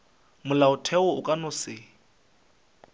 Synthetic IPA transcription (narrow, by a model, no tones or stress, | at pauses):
mʊlaʊtʰɛʊʊkʼanʊsɪ